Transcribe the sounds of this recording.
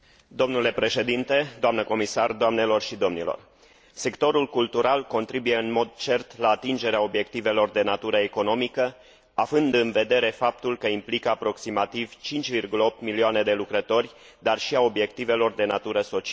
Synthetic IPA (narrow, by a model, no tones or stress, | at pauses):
d̪o̞mnule̞pɾe̞ʃe̞d̪int̪e̞d̪oamnəko̞misard̪oamne̞lo̞rʃid̪o̞mnilo̰r | se̞kt̪o̞ɾulkult̪uɾalko̞nt̪ɾibuje̞ɨnmo̞d̪̚t͡ʃe̞rt̪laːt̪ind͡ʒe̞ɾeao̞bje̞k̚t̪ive̞lo̞rd̪e̞nat̪uɾəeko̞no̞mikə | avɨnd̪ɨnve̞d̪e̞ɾe̞fap̚t̪ulkəimplikəapɾo̞ksimat̪iv̥t͡ʃint͡ʃʲvirɡuləo̞p̚t̪milioane̞d̪e̞lukɾət̪o̞rʲ | d̪arʃiao̞bje̞kt̪ive̞lo̞rd̪e̞nat̪uɾəso̞t͡ʃi